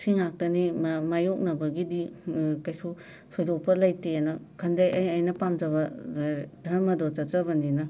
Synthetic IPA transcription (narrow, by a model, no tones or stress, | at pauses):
sʰiŋak̚tɐnimmajok̚nɐbɐɡidikɐjsu | sʰɔjdopɐlɐjtenɐkʰɐndɐjɐjɐjnɐpamd͡ʒɐβɐ | dʱɐɾmɐdɔt͡ʃɐt͡ʃɐbɐninɐ